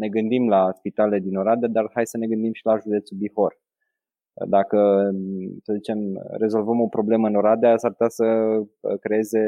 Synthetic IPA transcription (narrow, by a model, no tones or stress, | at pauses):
ne̞ɡɨnd̪imlaspit̪ale̞d̪ino̞ɾad̪ead̪arhajsəne̞ɡɨnd̪imʃilaʒud̪e̞t̪subiho̞r | d̪akə | səzit͡ʃe̞mɾe̞zo̞lvəmo̞pɾo̞ble̞məɨno̞ɾad̪easaɾp̚ut̪ʲasə | kɾe̞e̞ze̞